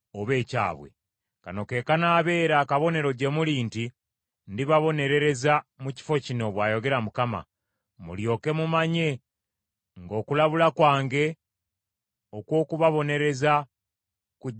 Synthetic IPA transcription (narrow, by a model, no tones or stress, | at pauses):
oβe̞ːca̰ːβwe̞̰ | ka̰no̞ke̞ːkanaːβe̞ːɾakaβo̞ne̞ɾo̞ɟe̞muliːnti | ndiβaβo̞ne̞ɾe̞ɾe̞zamuci̥fo̞cino̞βwaːjo̞ɡe̞ɾamukama̰ | mṵljo̞ːke̞mumaɲe̞ | ŋɡo̞ːkulaβulakwaːŋɡe̞ | okwo̞ːkuβaβo̞ne̞ɾe̞za | ku